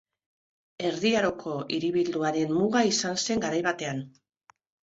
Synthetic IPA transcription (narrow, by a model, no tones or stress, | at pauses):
e̞ɾðiaɾo̞kʰo̞ʔiɾiβild̪uaɾe̞nmuɣaisanse̞ŋɡaɾajβat̪e̞an